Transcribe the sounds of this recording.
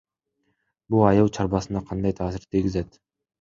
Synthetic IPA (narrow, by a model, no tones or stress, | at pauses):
bulˠɑjɯlˠt͡ʃʰɑɾbɑsɯnɑqʰɑnd̪ɑjt̪ʰɑːsiɾt̪ʰiɡʲizet̪